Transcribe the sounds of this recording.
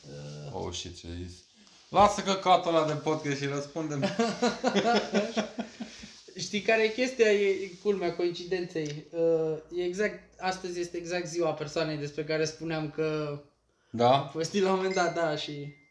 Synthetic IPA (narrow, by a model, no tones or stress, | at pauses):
əo̰ʃḭt̪t͡ʃḛzḭsʲ | lasəkəkat̪olad̪epod̪̚kʲest̪ʃiɾəspund̪em | ʃt̪ijkaɾejekʲe̞st̪ijajekulmeako̞int͡ʃid̪e̞nt̪se̞jəjeːɡzak̚t̪ast̪əzʲje̞st̪e̞ːɡzak̚t̪ziwape̞rsoane̞jd̪e̞spɾe̞kaɾe̞spuneamkə | d̪afovest̪ilamo̞me̞nd̪at̪̚d̪aʃi